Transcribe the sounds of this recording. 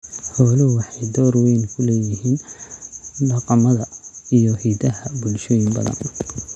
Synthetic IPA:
hɔːlɪʊwɑħɑjd̪ɔːrwɛjnkʰʊlɛːjɪɦiːn | ɖɑqɑmɐðɐijɔhiːd̪ɐɦɐbʊlʃɔːjɪmbɐ̰ðɐ̰n

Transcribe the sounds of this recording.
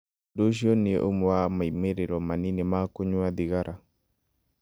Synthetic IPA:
doʃiɔniɛ̰ʔumuwamaimeɾeɾɔmaninɛmakoɲuad̪iɣaɾʔa

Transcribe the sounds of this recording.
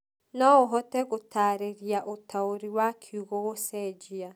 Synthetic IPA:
nɔoɦɔtɛɣotʰaːɾeɾiaʔotʰaoɾiwakʰiuɣoɣosɛd͡ʒia

